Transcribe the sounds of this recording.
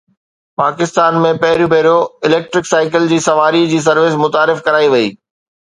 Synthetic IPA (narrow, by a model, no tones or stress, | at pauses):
paːkɪst̪aːnmẽpɐɦɪɾjobʱɐɦɾijoɪlɛːk̚ʈɾɪksaːɪkɪld͡ʑiːsɐʋaːɾid͡ʑiːs̬ɐɾʋɪsmʊt̪aːɾɪfkɐɾaːiʋɐiː